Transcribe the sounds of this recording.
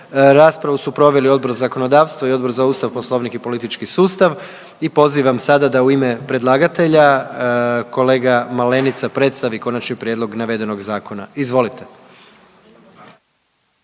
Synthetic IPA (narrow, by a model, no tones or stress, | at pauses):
ɾaːspɾaʋusupɾo̞ʋe̞lio̞d̪bo̞ɾzako̞no̞d̪aːʋst̪ʋoio̞d̪bo̞ɾzauːst̪aʋpo̞slˠo̞ʋnikipo̞lit̪it͡ʃkisuːst̪aʋ | ipo̞ziʋamsad̪ad̪auimepɾe̞d̪lˠaːɡat̪e̞ʎa | ko̞le̞ːɡamale̞nit̪sapɾe̞t̪st̪aʋiko̞nat͡ʃnipɾʲjed̪lˠo̞ɡnaʋe̞d̪e̞no̞ɡzaːkʰo̞naizʋo̞lit̪e